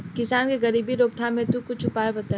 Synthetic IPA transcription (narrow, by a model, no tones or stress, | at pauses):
kɪsaːnkeɣɐɾiːbiɾoːk̚t̪ʰamẽt̪ukʊt͡ʃʰʊpaːebɐt̪a